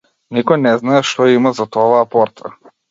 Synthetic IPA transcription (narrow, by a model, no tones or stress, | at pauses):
nikɔjnɛznaɛʃt̪ɔjimazat̪ɔvaːpɔɾt̪ʰa